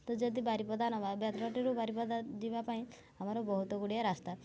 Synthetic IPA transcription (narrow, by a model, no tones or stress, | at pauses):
t̪ɔd͡ʒɔd̪ibaɾipɔd̪anɔbabat̪ɾɔʈiɾubaɾipɔd̪ad͡ʒibapaĩ | amaɾɔbɔɦut̪ɔɡuɽijaɾast̪a